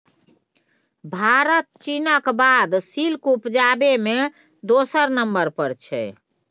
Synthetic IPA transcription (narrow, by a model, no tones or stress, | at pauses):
bʱaɾət̪̚t͡ʃinəkbad̪silkupd͡ʒabeme | d̪osəɾnəmbəɾpəɾt͡ʃʰɛ̰